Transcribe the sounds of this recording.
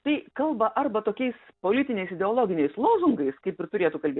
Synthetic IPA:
t̪ɐɪkɐlˠbɐʔɐrbɐt̪oːkʲɛɪspoːlʲɪt̪ʲɪnʲɛɪsɪd̪ʲɛoːlˠoːɡʲɪnʲɛɪslˠoːzʊŋɡɐɪskɐɪpɪɾt̪ʊɾʲeːt̪uːkɐlʲbʲeː

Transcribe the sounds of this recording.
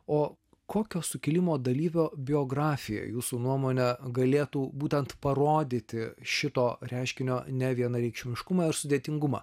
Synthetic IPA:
oː | koːkʲoːsʊkʲɪlʲɪmoːd̪ɐlʲiːʋʲoːbʲɪoːɡɾɑːfʲɪjɛ̰juːsuːnuɔmoːnʲɛɡɐlʲeːt̪uːbuːt̪ʲɛnt̪pɐɾoːd̪ʲiːt̪ʲɪʃʲɪt̪oːɾʲæˑɪʃʲkʲɪnʲoːnʲɛʋʲiɛnɐɾʲɛɪkʃʲɪmʲɪʃkʊmɑɪɾsʊd̪ʲeːt̪ʲɪŋɡʊmɐ̰ː

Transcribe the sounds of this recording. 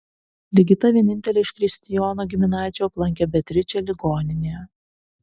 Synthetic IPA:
lʲɪɡʲɪt̪ɐʋʲiɛnʲɪnʲt̪ʲɛlʲeːɪʃʲkɾʲɪsʲt̪ʲɪjɔːnoːɡʲɪmʲɪnɑːzʲɪjoːplˠɐŋʲkʲɛbʲɛt̪ʲɾʲɪt͡ʃʲɛlʲɪɡoːnʲɪnʲeː

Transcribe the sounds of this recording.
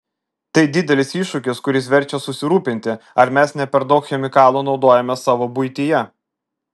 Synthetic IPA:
t̪ɐɪd̪ʲɪd̪ʲɛlʲɪsiːʃʊkʲɪskʊɾʲɪsʋʲɛɾʲt͡ʃʲɛsʊsʲɪɾuːpʲɪnʲt̪ʲɪɐɾmʲæsnʲɛpʲɛɾd̪ɐʊkxʲɛmʲɪkɑːlˠoːnɒʊd̪oːjɛmʲɛsɑːʋoːbʊɪt̪ʲijɛ

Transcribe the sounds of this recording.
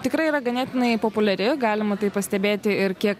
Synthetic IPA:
t̪ʲɪkɾɐɪiɾɐɡɐnʲæːt̪ʲɪnɐɪpoːpʊlʲɐɾʲɪɡɑːlʲɪmɐt̪ɐɪpɐsʲt̪ʲɛbʲeːt̪ʲɪɪɾkʲiɛk

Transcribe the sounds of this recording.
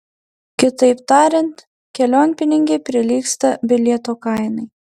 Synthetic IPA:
kʲɪt̪ɐɪpt̪ɑːɾʲɛnt̪ | kʲɛlʲoːnʲpʲɪnʲɪŋʲɡʲɛpʲɾʲɪlʲiːkst̪ɐbʲɪlʲɛt̪oːkɑˑɪnɐɪ

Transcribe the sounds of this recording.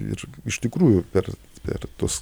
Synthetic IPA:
ɪ̰ɾɪʃt̪ʲɪkɾuːjʊpʲɛr | pʲɛ̰rt̪uɔs

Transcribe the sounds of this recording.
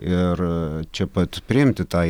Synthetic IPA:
ɪrt͡ʃʲɛpɐt̪pʲɾʲɪɪmʲt̪ʲɪt̪ɑː

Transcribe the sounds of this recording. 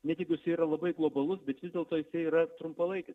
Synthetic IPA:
nʲɛt̪ʲɪkʲjɪsʲɐɪiɾɐlˠɐbɐɪɡlˠoːbɐlˠʊsbʲɛt̪ʋʲɪzdʲeɛlˠt̪oːjɪsɐɪiːɾɐt̪ɾʊmpɐlˠɐɪkʲɪs

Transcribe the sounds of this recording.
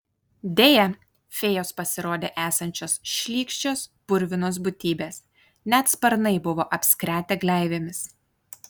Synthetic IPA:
d̪ʲeːjɛ | fʲeːjoːspɐsʲɪɾoːd̪ʲeːʔæːsɐnʲt͡ʃʲoːsʃʲlʲiːkʃʲt͡ʃʲoːspʊɾʲʋʲɪnoːs̬bʊt̪ʲiːbʲeːs | nʲæt̪spɐɾnɐɪbʊʋoːʔɐpʲsʲkɾʲæːt̪ʲeːɡlʲæˑɪʋʲemʲɪs

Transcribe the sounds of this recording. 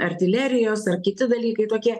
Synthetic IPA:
ɐɾʲt̪ʲɪlʲɛɾʲɪjoːsɐrkʲɪt̪ʲɪd̪ɐlʲiːkɐɪt̪oːkʲiɛ

